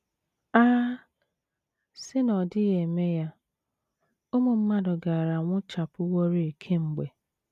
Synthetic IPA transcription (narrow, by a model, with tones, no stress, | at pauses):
a˦ | sɪ˦nɔ˨dɪ˦ɣe˨me˦ja˦ | ʊ˦mo˨m̩˦ma˦dʊ˨ɡa˨a˨ɾa˨ŋʷʊ˦t͡ʃa˨pʊ˦wo˦ɾi˦i˨kʰe˦ŋ͡m̩˨ɡ͡be˨